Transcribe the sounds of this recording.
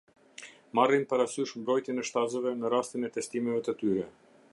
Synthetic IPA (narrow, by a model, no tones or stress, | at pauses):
marinpaɾasyʃmbɾɔjt̪jɛnɛʃt̪azəvɛnəɾast̪inɛt̪ɛst̪imɛvɛt̪ət̪yɾɛ